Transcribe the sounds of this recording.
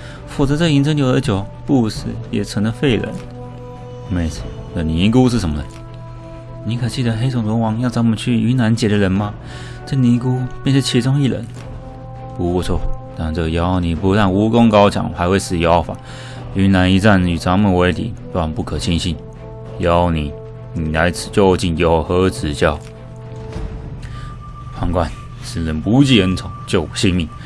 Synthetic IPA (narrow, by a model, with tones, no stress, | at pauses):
fu˨˩t͡sɤ˧˥t͡sa˥˩i˧˥nt͡sʰɤ˥ŋt͡ɕjo˨˩ʊd̪ə˦t͡ɕjo˨˩ʊpu˥˧ʂɻ̩˥˩jɛ̰˨˩t͡sʰɤ˧˥ŋə˧fe˥˩ɪlə̰˧˥n˧ | me˥˩t͡sʰ | nə˥˩ni˧˥k̬u˥ʂɻ̩˥˩ʂə˧˥nmə˧˩d̪ə˨˩ | ni˧˥kʰɤ˨˩t͡ɕi˥˩d̪ə˩xe˥ɪt͡sʊ˨˩ŋlwɔ˧˥wɑ˧˥ŋjɑ˥˩t͡sɑ˧˥ŋmə˧˦nt͡ɕʰy˥˩y˧˥na˧˥nt͡ɕjɛ˨˩ɾə˧ɻə˧˥nmɐ˧ | t͡sə˥˩ni˧˥k̬u˥pjɛ˥˧nʂɻ̩˥˩t͡ɕʰi˧˥t͡sʊ˥ŋi˥˩lə̰˧˥n | pu˧kɔ˥˧˩t͡sʰwɔ˥˩t̪a˥˩nt͡sɤ˥˧˩jɑ˥ʊni˨˩pu˧˥t̪a˥˩nu˧˥kʊ˥ŋkɑ˥ʊt͡ɕʰjɑ̰˨˩˦ŋxa˧˥ɪwe˥˩ɪt͡sɹ̩˨˩jɑ˧˥ʊfa̰˨˩˦ | y˧˥na˧˥ni˧t͡sa˥˧˩ny˨˩t͡sʰɑ˧˥ŋmə˨˩we˧˥ɪt̪ʰḭ˨˦˧a˨˩npu˥˩kʰɤ˨˩t͡ɕʰi˥nɕi˥˩n | jɑ˧˦ʊni˨˩˦ | ni˨˩na˧˥ɪt͡s̩ʰ˨˩t͡ɕjo˥˧ʊt͡ɕi˥˩njo˨˩ʊxɤ˧˥t͡sɹ̩˨˩t͡ɕjɑ˥˩ʊ | pʰa˧˥ŋkwa˥˩n | ʂ̩˨˩lə˨˦npu˧˥t͡ɕi˥ə˧˥nt͡sʰʊ˨˩˦ŋt͡ɕjo˥˩ʊ˨˩ɕi˥˧nmi˥˩